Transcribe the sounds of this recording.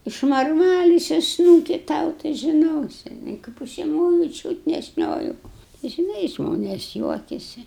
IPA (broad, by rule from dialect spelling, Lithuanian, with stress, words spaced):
ɪʃmɐrˈmɑːlʲɪsʲʊ ˈsnuːkʲɪ ˈtɐʊ tɐɪ ʒʲɪˈnoːsʲɪ ɪ kɐɪp ʊʃʲsʲɪˈmoːjʊ ˈt͡ʃʲuːt nʲɛ ˈʃʲnʲoːjʊ ʒʲɪˈnɐɪ ˈʒmoːnʲeːs ˈjuɔkʲɛsʲɪ